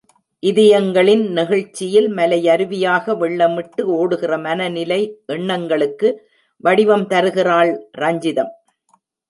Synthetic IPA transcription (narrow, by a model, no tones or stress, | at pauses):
ʔɪðɪjɐŋɡɐɭɪnnɪɣɐɻt͡ʃːɪjɪlmɐlɐɪjɐɾɯʋɪjaːɣɐʋɛɭːɐmɪʈːɯoːɽɯɣɪrɐmɐnɐnɪlɐɪʔɛɳːɐŋɡɐɭɯkːɯ | ʋɐɽɪʋɐmt̪ɐɾɯɣɪraːɭɾɐɲd͡ʒɪðɐm